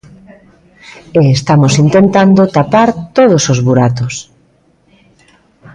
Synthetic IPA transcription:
eest̪amosint̪ent̪and̪ot̪apaɾt̪oð̞osozβuɾat̪os

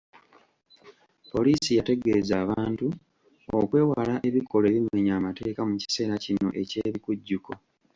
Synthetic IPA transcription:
po̞liːsijate̞ɡe̞zaːβaːntu | okwe̞ːwaːlaʔe̞βiko̞le̞ːβinweːɲaːmate̞ːkamuci̥se̞ːɾacino̞̰ʔe̞ce̞ːβikuɟːuko̞

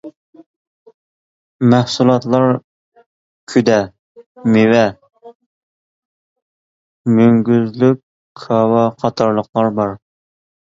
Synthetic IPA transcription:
mæhsulˠɑt̪lˠɑɾ | kʲʰyd̪ɛ | mewɛ | møŋɡʲyzlykʲʰː | ɑwɑqʰɑt̪ʰɑɾlˠəqlˠɑɾbɑɾ

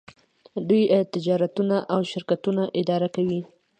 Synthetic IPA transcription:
d̪ujt̪ɪd͡ʒɑɾat̪unaʔawʃɪɾkat̪unaʔɪd̪ɑɾakawi

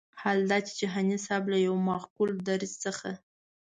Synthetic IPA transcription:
hald̪ɑt͡ʃe̥t͡ʃɪɦanisɑblajawmɑxkuld̪aɾizt͡səxa

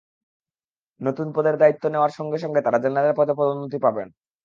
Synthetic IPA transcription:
not̪unpɔd̪eɾd̪ait̪ːoneoaɾʃɔŋɡeʃɔŋɡet̪aɾad͡ʑenenad̪eɾpɔt̪ʰepɾod̪omnːot̪̬ipabḛn

